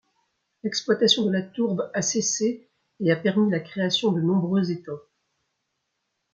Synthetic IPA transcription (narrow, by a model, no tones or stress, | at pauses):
lɛksplwat̪asjɔ̃d̪əlat̪uʁbaseseː | apɛʁmilakχeasjɔ̃d̪ənɔ̃bʁøzet̪a